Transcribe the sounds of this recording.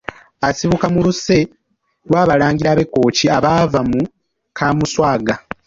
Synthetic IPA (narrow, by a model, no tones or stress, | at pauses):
asiβukamuluse̞ | lwaːβalaːŋɟiɾaːβe̞kːo̞ːciaβaːvamu | kʰaːmuswaːɡa